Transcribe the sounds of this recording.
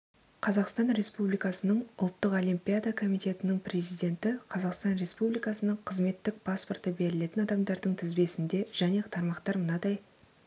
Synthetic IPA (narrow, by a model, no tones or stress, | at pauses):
qʰɑzɑqst̪ɑnɾe̞spublijkɑsənəɴʊlˠt̪ːəqolimpʲijad̪akʰo̞mijt̪e̞t̪ɪnɪɴpʰrʲe̞zijd̪e̞nt̪ɪqʰɑzɑqst̪ɑnɾe̞spublijkɑsənəɴqʰəzme̞t̪ːɪk̚pʰɑspo̞rt̪əbe̞lɪle̞t̪ɪnɑd̪ɑmd̪ɑɾd̪əɴt̪ʰɪzbe̞sɪnd̪e̞ʒ̥æne̞t̪ʰɑɾmɑqt̪ɑɾmənɑd̪ɑj